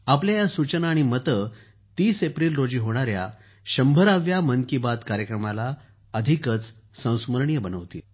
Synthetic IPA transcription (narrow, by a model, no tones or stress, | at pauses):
apljajasut͡ɕənaːɽ̃imət̪ə | t̪iːsepɾilɾod͡ʑiːɦoɽ̃aɾja̰ | ɕəmbʱəɾaʋjaməŋkibad̪kaɾjəkɾəmala | əd̪ʱikət͡s | sə̃w̃sməɾɳijəbənəʋt̪ḭ